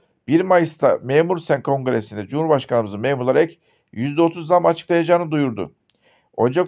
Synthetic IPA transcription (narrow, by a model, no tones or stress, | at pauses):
b̥iɾmajɯst̪ʰameːmuɾsænkʰo̞ŋɡɾesind̪ɛd͡ʒumuɾbaʃkʰanɯmɯzɯmeːmulˠaɾɛc | jyzd̪ɛo̞t̪ʰuzd̪amat͡ʃʰɯ̥klˠajad͡ʒaːnɯd̪ujuɾd̪ʊ̰ | o̞nd͡ʒak